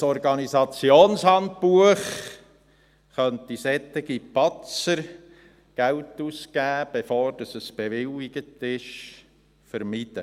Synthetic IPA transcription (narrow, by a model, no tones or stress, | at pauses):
sɔɾɡɑnisɑt͡sjoːnshɑnt̚puəχ | χœntisɛt̪ːɪɡipɑt͡səɾ | ɡ̥æwtuskæːb̥efoːɾd̥ɑsəsb̥eʋɪliɡ̥ətɪʃ | fəɾmid̥ə